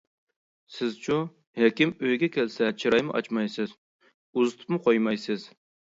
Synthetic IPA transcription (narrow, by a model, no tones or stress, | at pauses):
sɪzt͡ʃʰu | hɛkʲɪmøjɡʲɛkʲɛlsɛt͡ʃʰiɾɑjmʊ̰ʔɑ̰t͡ʃmɑjsɪz | uzɨt̪ʰʊ̥pmʊqʰojmɑjsɪz̥